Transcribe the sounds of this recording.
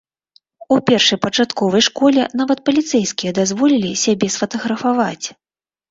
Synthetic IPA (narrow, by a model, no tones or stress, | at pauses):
upʲɛrʂɐjpɐt͡ʂat̪kɔvɐjʂkɔlʲɛn̪avɐt̪̚pɐlʲit̪sɛjskʲijɐd̪azvɔlʲilʲisʲabʲɛsfɐt̪ɐɣɾɐfavat͡sʲ